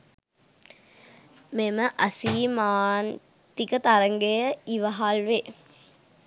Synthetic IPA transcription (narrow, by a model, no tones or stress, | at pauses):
meməʔɐsiːmaːn | t̪ikət̪aɾəŋɡejəiʋəɦalʋe